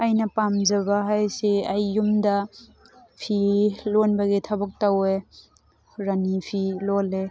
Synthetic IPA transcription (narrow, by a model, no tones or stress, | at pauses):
ajnɐpamzɐbaɦajseajːumdɐ | pʰilonbɐɡetʰabɐk̚tawe | ɾanipʰilole